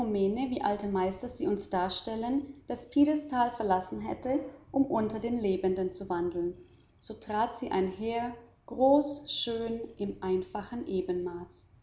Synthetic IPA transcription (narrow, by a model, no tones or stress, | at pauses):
omɛːnəviːʔaltəmaɪstɐziːʊnsd̥aːɐʃtɛlənd̥aspʰiːdəstʰaːlfɛɐlasn̩ɦɛ̰təʔʊmʔʊntɐdeːnleːbəndənt͡suvandl̩n | z̥oːtʁ̥aːtz̥iːʔa̰ɪnɦeːɐ | ɡ̥ʁoːsʃøːnʔɪmʔaɪnfaχn̩ʔeːbənmaːs